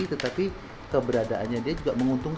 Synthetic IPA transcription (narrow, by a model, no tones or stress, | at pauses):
it̪ət̪api | kəbəɾadaʔanɲadiad͡ʒuɡaʔməŋunt̪uŋk